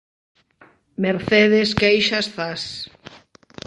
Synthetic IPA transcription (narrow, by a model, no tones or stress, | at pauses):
meɾθeðeskejʃasθas